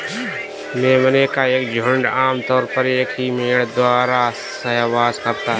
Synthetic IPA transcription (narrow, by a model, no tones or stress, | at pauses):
mẽːmənekaeːkd͡ʒʱʊɳɖaːmt̪ɔːɾpəɾeːkimeːɽd̪waːɾa | sɐɦʋaːskɐɾt̪aɦ